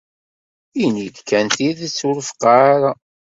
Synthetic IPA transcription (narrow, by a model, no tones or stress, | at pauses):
inid̪kʰːænt̪iðsːuɾəfqɑːɾa